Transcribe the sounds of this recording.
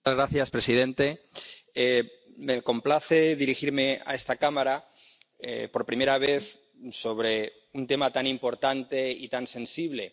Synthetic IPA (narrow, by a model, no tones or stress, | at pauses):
azɣɾaθjaspɾe̞sið̞ẽ̞nt̪e | emeko̞mplaθe̞ðiɾixiɾme̞a̰est̪akamaɾa | ḛpo̞ɾpɾime̞ɾaβ̞e̞θ | so̞β̞ɾe | unt̪e̞mat̪animpo̞ɾt̪ant̪e̞ḭt̪ansẽ̞nsiβ̞le̞